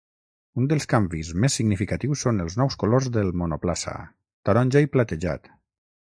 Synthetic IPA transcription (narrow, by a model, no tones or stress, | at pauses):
und̪əlˠskambizmesːiɡnifikat̪iwsːonəlˠznɔwskolozðəlˠmonoplasa̰ | t̪aɾɔnʲʒajplat̪əʒa̰t̪